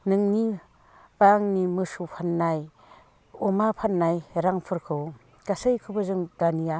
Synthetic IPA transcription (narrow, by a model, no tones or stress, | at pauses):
nɯŋni | baŋnimɯsupʰanːaj | ɔmapʰanːajɾaŋpʰɯɾkʰɯw | kasɯjkʰɯbɯzɯŋdanija